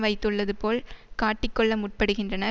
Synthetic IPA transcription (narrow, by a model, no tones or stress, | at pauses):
ʋɐɪt̪ːɯɭːɐðɯpoːlkaːʈːɪkːɔɭːɐmʊʈ̚pɐɽɯɣɪndrɐnɐ